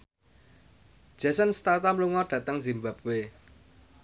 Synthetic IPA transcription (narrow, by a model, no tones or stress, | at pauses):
d̥ʒ̥a̤sənst̪at̪amluŋɔɖ̥ä̤t̪əŋzimbap̚we